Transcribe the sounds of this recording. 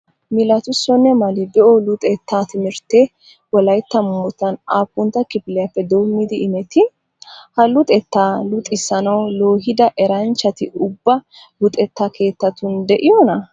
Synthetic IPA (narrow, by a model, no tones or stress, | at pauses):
mɪlɐt̪ʊsːɔnːɛmɐlɪd̪ɛʔɔlʊt̪ʼɛt̪ːaːt̪ɪmɪɾt̪ːe | wɔlɐjt̪ːɐmːɔt̪ɐnaːpːʊnt̪ːɐkɪpɪlɛjɐfːɛd̪o̞ːmːɪd̪ɪɪmɛt̪ɪ | hɐlʊt̪ʼɛt̪ːaːlʊt̪ʼɪsɐnɐwlo̞ːɦɪd̪ɐʔɛɾɐnt͡ʃːɐt̪ɪʊbːɐ | lʊt̪ʼɛt̪ːaːkʰe̞ːt̪ːɐt̪ʊnd̪ɛʔɪjonɐ